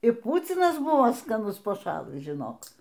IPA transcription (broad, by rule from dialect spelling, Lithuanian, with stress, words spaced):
ɪr ˈpuːt͡sʲɪnɐs ˈbʊʋoː skɐˈnʊs pɐˈʃɑːlˠɨs ʒʲɪˈnoːk